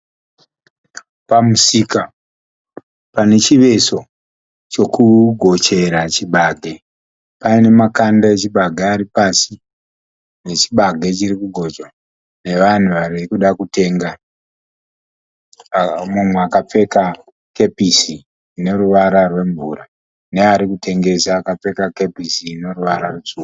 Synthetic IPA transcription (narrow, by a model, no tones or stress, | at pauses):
pamusiːka | pane̞t͡ʃiʋe̞so̞ | t͡ʃo̞kuɡʱo̞t͡ʃe̞ɾat͡ʃiɓaɡʱe̞ | paine̞makandaet͡ʃiɓaɡʱaːɾipasi | ne̞t͡ʃiɓaɡʱe̞t͡ʃirikuɡʱo̞t͡ʃa | ne̞ʋan̤uʋarikuɗakutʰe̞ːŋɡa | mumweakap͡fe̞ka | ke̞pisiː | ne̞ɾuʋaɾarwe̞ɱvura | neaɾikutʰe̞ŋɡe̞saːkap͡fe̞kake̞pisiːne̞ruʋaɾarut͡suːu